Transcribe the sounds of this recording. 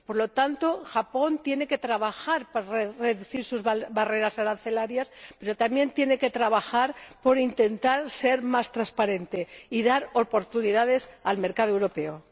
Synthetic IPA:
po̞ɾlo̞t̪ant̪o̞xapo̞nt̪je̞ne̞ke̞t̪ɾaβaxaɾpaɾrere̞ðuθiɾsuzβare̞ɾasaɾanθe̞laɾjaspe̞ɾo̞t̪amje̞nt̪je̞ne̞ke̞t̪ɾaβaxaɾpo̞ɾint̪e̞nt̪aɾse̞ɾmast̪ɾaspaɾe̞nt̪e̞iðaɾo̞po̞ɾt̪uniðaðe̞salme̞ɾkaðoewɾo̞pe̞o

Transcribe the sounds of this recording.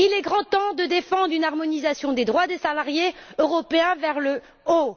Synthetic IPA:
ilɛɡʁɑ̃t̪ɑ̃d̪əd̪efɑ̃d̪ʁynaʁmɔnizasjɔ̃d̪ed̪ʁwad̪esalaʁjeøʁɔpeɛ̃vɛʁlə | o

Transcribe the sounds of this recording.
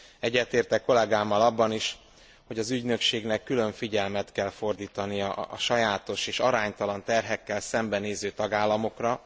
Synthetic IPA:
ɛɟːɛt̪eːrt̪ɛkːo̞lɛɡaːmːɒlɒbːɒniʃ | ho̞ɟɒzyɟnø̞kʃeːɡnɛkːylø̞ɱfiɟɛlmɛt̪kɛlfo̞rd̪iːt̪ɒnijɒʔɒʃɒjaːt̪o̞ʃeːʃɒɾaːɲt̪ɒlɒnt̪ɛrɦɛkːɛlsɛmbɛneːzøːt̪ɒɡaːlːɒmo̞krɒ

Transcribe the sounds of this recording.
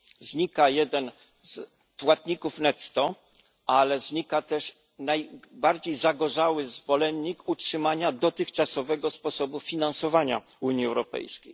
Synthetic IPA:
zɲikajɛd̪ɛn | z̥ | pwat̪̚ɲikufnɛt̪ːɔ | alɛzɲikat̪ɛʂ | najbaɾd͡ʑejzaɡɔʐawɘzvɔlɛɲːikutʂɘmaɲad̪ɔt̪ɘxt͡ʂasɔvɛɡɔspɔsɔbufʲinansɔvaɲa̰ | uɲiɛwɾɔpɛ̰jskʲej

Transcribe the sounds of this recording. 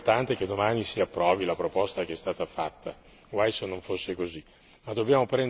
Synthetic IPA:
rt̪ant̪ek̟ed̪ːomaːnisiapːɾɔːvilapɾopɔst̪akeɛst̪aːt̪afat̪ːa | ɡwajsenːõɱfosːekozi | mad̪objaːmopɾɛn

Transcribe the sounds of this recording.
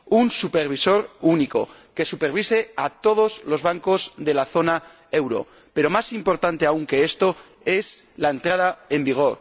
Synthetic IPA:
unsupe̞ɾβ̞iso̞ɾuniko̞̰ke̞supe̞ɾβ̞ise̞at̪o̞ð̞o̞zlo̞zβaŋko̞zðe̞laθo̞na | e̞wɾo̞̰ | pe̞ɾo̞masimpo̞ɾt̪ant̪e̞auŋke̞e̞st̪o̞ | e̞slae̞nt̪ɾað̞ae̞mbiɣ̞o̞ɾ

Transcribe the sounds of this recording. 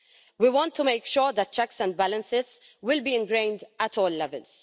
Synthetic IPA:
wiwɔ̃ntʰːumeɪkʃɔːɹðət̚t͡ʃɛksə̃nd̚bælə̃nsɪz̥ | wɪlbiːɪ̃nɡɹẽɪ̃ndætʰɔːlːɛvə̰ls

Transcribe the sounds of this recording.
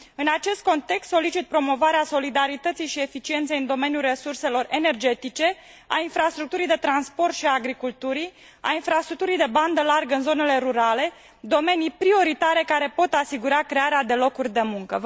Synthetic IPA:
ɨnat͡ʃe̞st̪̚ko̞nt̪e̞kst̪so̞lit͡ʃit̪̚pɾo̞mo̞vaɾeaso̞lid̪aɾit̪ət̪sijʃie̞fit͡ʃie̞nt̪sejɨnd̪o̞me̞njulre̞surse̞lo̞re̞ne̞rd͡ʒe̞t̪it͡ʃe̞ | ainfɾast̪ɾuk̚t̪uɾijd̪e̞t̪ɾanspo̞rt̪ʃiaːɡɾikult̪uɾi | a̰infɾast̪ɾuk̚t̪uɾijd̪e̞band̪əlarɡəɨnzo̞ne̞le̞ɾuɾale̞ | d̪o̞me̞nijpɾio̞ɾit̪aɾe̞kaɾe̞po̞t̪asiɡuɾakɾe̞aɾead̪e̞lo̞kurʲd̪e̞muŋkə

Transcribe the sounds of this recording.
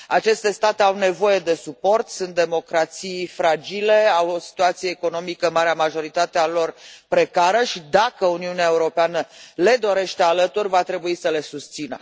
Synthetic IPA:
at͡ʃe̞st̪e̞st̪at̪e̞awne̞vo̞je̞d̪e̞supo̞rt̪sunt̪̚d̪e̞mo̞kɾat̪sijfɾad͡ʒile̞awosi̥t̪uat̪sijeːko̞no̞mikəmaɾeamaʒo̞ɾit̪at̪ealo̞rpɾe̞kaɾəʃid̪akəuniuneaeuɾo̞peanəle̞d̪o̞ɾe̞ʃt̪ealət̪urʲvat̪ɾe̞buisəle̞sust̪sinə̰

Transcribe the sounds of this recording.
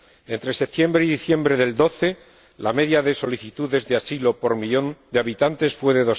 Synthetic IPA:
e̞nt̪ɾe̞sep̚t̪je̞mbɾeiðiθje̞mbɾe̞ðe̞ld̪o̞θe̞ | lame̞ðjaðe̞so̞liθit̪uðe̞zðeasilo̞po̞ɾmiʎond̪eaβit̪ant̪e̞sfwe̞ðeðo̞

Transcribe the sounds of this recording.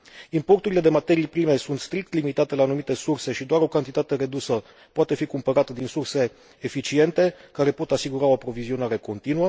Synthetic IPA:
impo̞rt̪uɾile̞d̪e̞mat̪e̞ɾijpɾime̞sunt̪st̪ɾik̚t̪limit̪at̪e̞laːnumit̪e̞surse̞ʃid̪oaɾo̞kant̪it̪at̪e̞ɾe̞d̪usə | poat̪e̞fikumpəɾat̪əd̪insurse̞ː | fit͡ʃie̞nt̪e̞kaɾe̞po̞t̪asiɡuɾao̞apɾo̞vizio̞naɾe̞ko̞nt̪inuə

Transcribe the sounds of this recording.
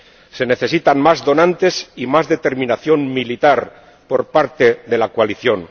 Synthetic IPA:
se̞ne̞θe̞sit̪aŋmazðo̞nãnt̪e̞simazðe̞t̪e̞ɾmĩnaθjo̞ŋmilit̪aɾ | po̞ɾpaɾt̪e̞ðe̞lakwaliθjo̞ŋ

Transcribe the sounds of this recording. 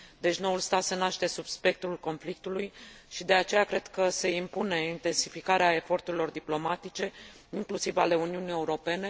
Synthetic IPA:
d̪e̞t͡ʃno̞ulst̪at̪se̞naʃt̪e̞subspe̞k̚t̪ulko̞nflik̚t̪ulujʃid̪e̞at͡ʃe̞jakɾe̞d̪̥kəse̞impune̞int̪e̞nsifikaɾeae̞fo̞rt̪uɾilo̞rd̪iplo̞mat̪it͡ʃe̞ | iŋklusivale̞uniunie̞uɾo̞pe̞ne̞

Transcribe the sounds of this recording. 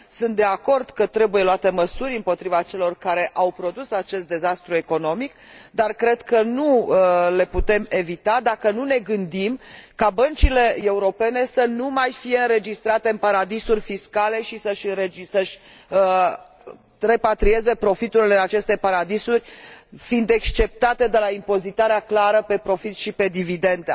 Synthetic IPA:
sunt̪̚d̪e̞ako̞rd̪̥kət̪ɾe̞buje̞loat̪e̞məsuɾʲɨmpo̞t̪ɾivat͡ʃe̞lo̞rkaɾe̞ʔawpɾo̞d̪usat͡ʃe̞st̪d̪e̞zast̪ɾue̞ko̞no̞mikd̪arkɾe̞d̪kənule̞put̪e̞me̞vit̪ad̪akənune̞ɡɨnd̪imkabənt͡ʃile̞euɾo̞pe̞ne̞sənumajfije̞ɨnɾe̞d͡ʒist̪ɾat̪e̞ɨnpaɾad̪isurʲfiskale̞ʃisəʃʲɨnɾesəʃʲ | re̞pat̪ɾie̞ze̞pɾo̞fit̪uɾileat͡ʃe̞st̪e̞paɾad̪isurʲfind̪ekst͡ʃe̞p̚t̪at̪e̞d̪e̞laimpo̞zit̪aɾeaklaɾəpe̞pɾo̞fit̪ʃipe̞d̪ivid̪e̞nd̪e

